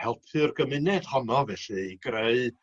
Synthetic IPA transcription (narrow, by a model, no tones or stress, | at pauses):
hɛlˠpʰɨrɡəmɨnɛd̥hɔnɔvɛɬɨɡreɨ